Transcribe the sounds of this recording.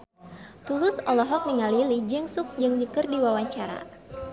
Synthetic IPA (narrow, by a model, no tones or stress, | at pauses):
t̪ulʊsɔlɔɦɔk̚niŋalilid͡ʒɛŋsʊk̚d͡ʒɨŋdikɨrdiwawaɲt͡ʃaɾa̰